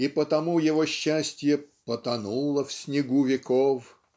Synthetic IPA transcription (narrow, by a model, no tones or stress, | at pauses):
ipət̪ɐmujɪvoɕːæsʲtʲjəpət̪ɐnulˠəfsʲnʲɪɡuvʲɪkof